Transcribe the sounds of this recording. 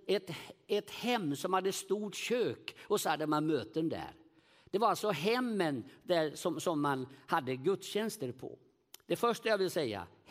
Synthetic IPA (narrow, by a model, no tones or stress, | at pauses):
ɛt̪ɛt̪hɛmːsɔmhad̪ːəst̪uːʈɕøːkɔsɔhad̪ːəmanmøːt̪ənd̪æ̰ɾ | d̪̥ɛvaɾalsɔɦɛmːənd̪æsɔmsɔmːanhad̪ːəɡɵt̪sɕɛnst̪əɾpʰɔ̰ | d̪ɛfœʂʈajaːvɪlsɛjːa̰